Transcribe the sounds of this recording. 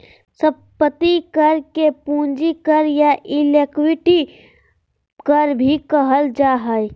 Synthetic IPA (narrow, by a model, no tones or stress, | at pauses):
səb̚ | pət̪ikəɾkepũːnd͡ʒikəɾjaʔɪlekwɪʈi | kəɾbʱikəɦəld͡ʒaːɦəj